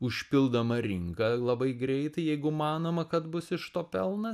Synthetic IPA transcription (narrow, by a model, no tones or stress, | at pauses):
ʊʃʲpʲɪlˠd̪ɐmɐɾʲɪŋkɐlˠɐbɐɪɡɾʲɛɪt̪ɐɪjɛɪɡʊmɑːnoːmɐkɐt̪bʊsɪʃt̪oːpʲɛlˠnɐ